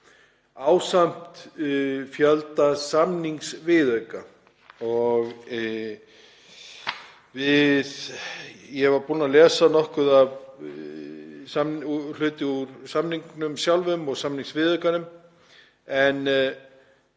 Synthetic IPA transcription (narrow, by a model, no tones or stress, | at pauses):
aːwsam̥t̪ | fjœlt̪asamniŋksvɪðœɥka | ɔɣ | vɪð | jɛɛvaɾpunːalɛːsanɔhkʏðav | samul̥ʏːt̪ɪuɾsamniŋknʏmsjawlvʏmɔɣsamniŋsvɪðœɥkanʏm | ɛn